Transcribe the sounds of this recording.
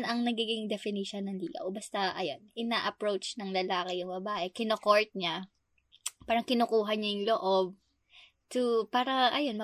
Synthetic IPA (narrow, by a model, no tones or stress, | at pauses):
nɐŋnɐɡiːɡɪŋd̪ɛfɪniʃɐnːɐŋlḭːɡɐ̰wbɐst̪ɐʔɐjo̞nʔɪnaʔɐpɹowt͡ʃnɐŋlɐlaːkɛjʊŋbɐbaːʔɛkɪnokoɹt̪̚ɲa | paːɾɐŋkɪnokuːɦɐɲajʊŋloʔo̞b̚ | t̪upaːɾɐʔɐjo̞nmɐ